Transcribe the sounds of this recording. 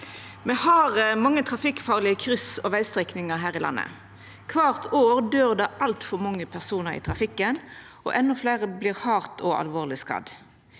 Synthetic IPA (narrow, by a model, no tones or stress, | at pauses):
meːhɑʁəmɑŋːət̪ʰʁɑfɪkfɑːʁlɪəkʰʁʏsɔʋæɪst̪ʁɛknɪŋəɦæːʁɪlɑ̰nːə̰ | kʰʋɑːʁt̪ʰoːʁd̪øːʁd̪ɑʔɑlt̪fɔʁmɑŋːəpʰæʁsuːnəɾḭːt̪ʰʁɑfɪkːən | ʔɔ̰ʔɛnːɔfleːʁəbliːʁhɑːʁt̪ʰɔɑ̰lʋoːʁlɪskɑ̰d̪